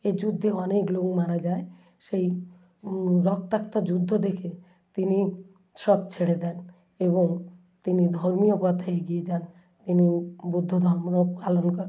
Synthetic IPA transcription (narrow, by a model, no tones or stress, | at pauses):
ed͡ʑud̪ʱːeɔneklokmaɾad͡ʒae | ʃej | ɾɔk̚t̪akt̪ɔd͡ʒud̪ʱːod̪ekʰe | t̪ini | ʃɔb̚t͡ɕʰeɽed̪ɛn | eboŋ | t̪inid̪ʱɔɾmijopɔt̪ʰaeɡied͡ʑan | t̪inibud̪ʱːod̪ʱɔmɾopalonkɔɾ